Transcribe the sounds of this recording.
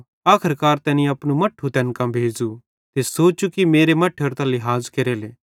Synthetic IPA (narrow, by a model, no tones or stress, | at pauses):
aːkʰəɾkaːɾt̪ɛːnĩɐpnumɐʈʰːut̪ɛ̃ːnkãbʱeːd͡zu | t̪esoːt͡ʃukimeːɾemɐʈʰːəɾt̪ãliɦaːzkeɾeːleː